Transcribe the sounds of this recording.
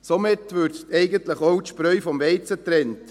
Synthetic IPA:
somɪtʋʏɾt̪ɛɪɡəntləχowt̪ʃpɾœʏfɔmʋɛɪt͡sətɾɛnt

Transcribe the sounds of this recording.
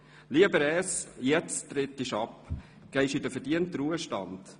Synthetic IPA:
liəbəɾɛːsjɛt͡stɾɪtɪʃɑp | ɡ̥ɛɪʃidəfədiəntɾuəʃtɑ̰nd̥

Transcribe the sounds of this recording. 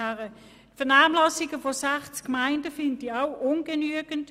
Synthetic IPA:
æʁə | tfɛɐʁnaːmlɑsɪɡəfosɛχt͡skmaɪndəfɪndiaʊʔʊnɡ̥ənyəɡ̥ənt

